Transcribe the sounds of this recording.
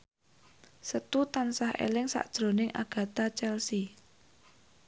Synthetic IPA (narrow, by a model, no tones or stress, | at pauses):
sət̪ut̪ansahʔḛlɪŋsa̰ʔd̥ʒ̥ɾo̤nɪŋʔa̰ɡ̥ä̤t̪at͡ʃɛlsi